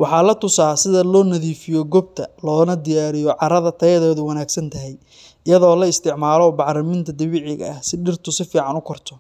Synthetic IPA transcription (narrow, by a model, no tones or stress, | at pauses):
wɑħɑːlɐt̪ʊsaːsɪðɐlɔːnɐðiːfɪjɔɡɔb̚t̪ʰɐlɔːnɐd̪ɪjaːɾɪjɔʕɑɾɐðɐt̪ʰɐjɐðɛːðʊwɐnaːɡsɐnt̪ʰɐɦɛj | ɪjɐðɔːlɐɪst̪ʰɪʕmaːlɔbɑʕɾɐmɪnt̪ʰɐd̪ɪβɪʕɪɣɐ̰ɐhsɪɖɪrt̪ʰʊsɪfiːʕɑnʊkʰɔrt̪ʰɔ